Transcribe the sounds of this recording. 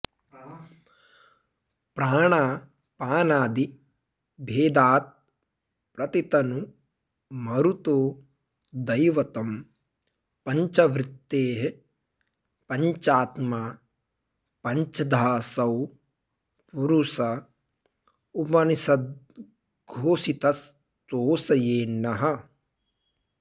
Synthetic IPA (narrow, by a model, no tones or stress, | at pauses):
pɾaːɳaː | paːnaːd̪i | bʱeːd̪aːt̪̚ | pɾɐt̪it̪ɐnu | mɐɾut̪oː | d̪ɐjʋɐt̪ɐm | pɐɲt͡ʃɐʋɾɪt̪ːeːɦ | pɐɲt͡ʃaːt̪maː | pɐɲt͡ʃɐd̪ʱaːsɐw | puɾusɐ | ubɐnisɐd̪̚ | ɡʱoːsit̪ɐs | t̪oːsɐjeːnːɐɦɐ̆